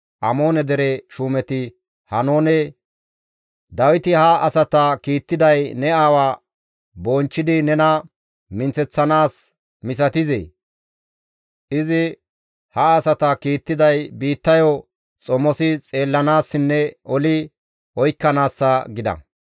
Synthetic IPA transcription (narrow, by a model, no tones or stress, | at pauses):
ʔɐmo̞ːnɛd̪ɛɾɛʃuːmɛt̪ɪ | hɐnoːnɛ | d̪ɐwɪt̪ɪhɐʔɐsɐt̪ɐkiːt̪ːɪd̪ɐjnɛaːwaː | bɔnt͡ʃːɪd̪ɪnɛnɐ | mɪnt͡sɛt͡sːɐnaːs | mɪs̬ɐt̪ɪzḛː | ʔɪzɪ | hɐːsɐt̪ɐkiːt̪ːɪd̪ɐjbiːt̪ːɐjo | t͡sʼɔmɔsɪt͡sʼe̞ːlːɐnaːsːɪnːɛɔlɪ | ɔjkːɐnaːsːɐɡɪd̪ɐ̰